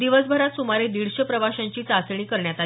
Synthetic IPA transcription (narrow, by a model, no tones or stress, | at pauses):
d̪iʋəsbʱəɾat̪sumaɾed̪iɽɕəpɾəʋaɕaɲt͡ɕiːt͡sat͡sɳ̃iːkəɾɳjat̪a